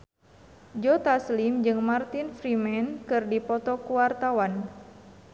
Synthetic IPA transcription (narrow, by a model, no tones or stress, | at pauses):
d͡ʒɔt̪aslimd͡ʒɨŋmart̪infɾimɛnkɨrdipɔt̪ɔkuwart̪awan